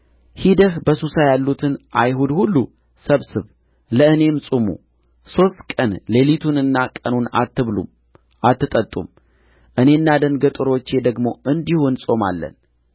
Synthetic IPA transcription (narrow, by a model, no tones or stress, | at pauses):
hid̪əhbəsusajalːut̪ʰɨnʔajɦud̪hulːu | səβsɨβ | ləɨne̞msʼumṵ | so̞st̪kʼənle̞lit̪ʰunɨnːakʼənuna̰t̪ːɨβlṵm | ʔat̪ːɨt̪ʼət̪ʼːṵm | ʔɨne̞nːad̪ənɡət̪ʼɨɾo̞t͡ʃːe̞d̪əɡmo̞ɨnd̪ihunsʼo̞ma̰lːə̰n